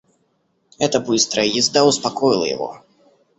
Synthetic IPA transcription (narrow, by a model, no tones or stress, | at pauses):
ɛt̪əbɨst̪ɾəjəjɪzd̪aʊspakɔjɪlˠə̰jɪ̰vɔ̰